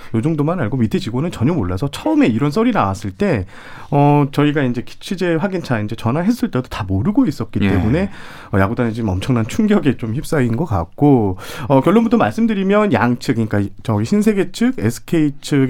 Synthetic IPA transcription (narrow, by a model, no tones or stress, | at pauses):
jod͡ʑoŋdomanaɭɡomitʰed͡ʑiɡonɯnt͡ɕʌɲʌmoɭːasʰʌt͡ɕʰʌɯme̞iɾʌns̬͈ʌɾinawas͈ɯɭt͈e̞ | ʌt͡ɕʌiɡaind͡ʑe̞ki̥t͡ɕʰid͡ʑe̞ɸwaɡint͡ɕʰaind͡ʑe̞t͡ɕʌnaɦe̞s͈ɯɭt͈e̞dotamoɾɯɡois͈ʌt̚k͈it͈e̞mune̞ | ʌjaɡudaned͡ʑimʌmt͡ɕʰʌŋnant͡ɕʰuŋɡjʌɡet͡ɕomçip̚s͈ainɡʌk͈a̰k̚k͈oʌkjʌɭːonbutʰʌmaɭs͈ɯmdɯɾimjʌnjaŋt͡ɕʰɯk͈ɲik͈at͡ɕʌɡiɕʰinsʰe̞ɡe̞t͡ɕʰɯɡesʰɯ̥kʰe̞it͡ɕʰɯ